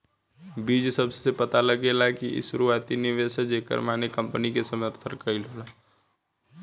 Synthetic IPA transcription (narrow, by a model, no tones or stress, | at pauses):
biːd͡ʒsəbsepət̪aləɡelakḭsuɾuaːt̪inɪʋesed͡ʒeːkə̰ɾmaːnekə̃mpnikesəməɾt̪ʰəɾkəilɦolaː